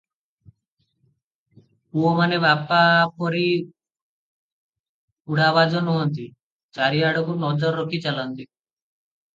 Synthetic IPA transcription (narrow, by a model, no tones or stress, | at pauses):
uomanebapapɔɾi | uɽabad͡ʒɔnɔɦɔnt̪i | t͡ʃaɾiaɽɔɡunɔd͡ʒɔɾːokit͡ʃalɔnt̪i